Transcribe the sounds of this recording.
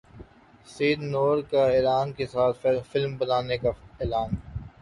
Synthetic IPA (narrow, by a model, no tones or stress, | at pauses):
siːd̪noːɾkaeːlaːnkesaːt̪ʰfɪlmbɐnaːnekaeːlaːn